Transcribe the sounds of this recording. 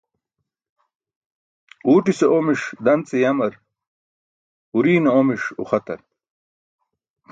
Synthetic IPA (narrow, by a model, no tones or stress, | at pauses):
uːʈiseʔomiʂd̪ɐnt͡sejɐmɐɾ | uɾiːnɐomiʂṵχɐt̪ɐ̰ɾ